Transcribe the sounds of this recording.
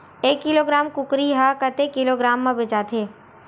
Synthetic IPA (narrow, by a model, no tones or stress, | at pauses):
eːkːɪloːɡɾaːmkʊkɾiɦakət̪ekɪloɡɾaːmːãbɪt͡ʃaːt̪ʰeː